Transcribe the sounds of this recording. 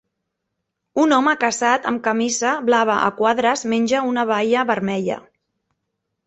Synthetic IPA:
unɔməkəzat̪əmkəmizəβlaβəʔə̰kwaðɾəzmenʲʒəunəβ̞ajəβəɾmɛʎə̰

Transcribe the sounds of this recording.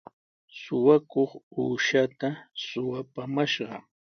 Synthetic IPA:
sʊwakoχuːʃat̪asʊwapamaʃɢɑ̰

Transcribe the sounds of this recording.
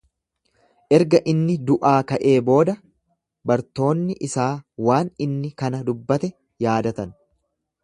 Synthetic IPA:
ʔɛɾɡɐʔɪnːɪd̪ʊʔaːkɐʔe̞ːbo̞ːd̪ɐ | bɐɾt̪o̞ːnːɪʔɪsaːwaːnɪnːɪkɐnɐd̪ʊbːɐt̪ɛ | jaːd̪ɐt̪ɐn

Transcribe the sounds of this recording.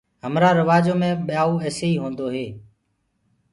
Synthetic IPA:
ɦəmɾaːɾəʋaːd͡ʒoːmẽːɓɪjaːuːeːseiːɦõːnd̪oːɦeː

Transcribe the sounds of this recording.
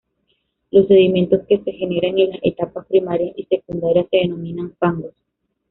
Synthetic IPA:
lo̞sːe̞ðimje̞nt̪o̞ske̞se̞xe̞ne̞ɾaŋilase̞̰t̪apaspɾimaɾjasise̞kund̪aɾjasːe̞ðeno̞mĩnaɱfaŋɡos

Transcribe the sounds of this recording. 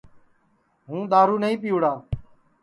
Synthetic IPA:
ɦũːɗ̪aːɾuːnəĩːpɪjuːɽaː

